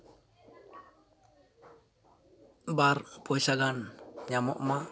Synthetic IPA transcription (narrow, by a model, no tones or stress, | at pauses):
barpɔisaɡanɲamɔ̰ʔma